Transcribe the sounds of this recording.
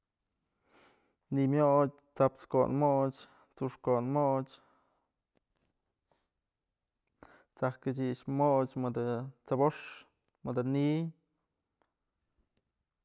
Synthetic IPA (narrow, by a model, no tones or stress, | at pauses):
nimjoʔt͡ʃ | t͡sapt͡sko̰nmot͡ʃ | t͡suʂkonmoʔt͡ʃ | t͡sakɨt͡ʃiʔʃmoʔt͡ʃmɨd̪ɨt͡saboʂ | mɨd̪ɨni